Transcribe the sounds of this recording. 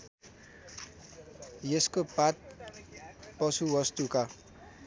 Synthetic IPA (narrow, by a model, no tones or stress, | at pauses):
jeskopat̪̚ | pʌsuwʌst̪uka